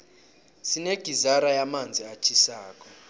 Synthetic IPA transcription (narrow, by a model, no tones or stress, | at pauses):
sineɡ̥ʱizaɾajamand͡zʱiat͡ʃʰisaːk̬ʼɔ